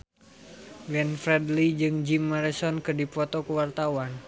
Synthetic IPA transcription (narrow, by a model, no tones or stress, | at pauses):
ɡwɛnfɾɛdlid͡ʒɨŋd͡ʒimːaɾɛsɔnkɨrdipɔt̪ɔkəwart̪awan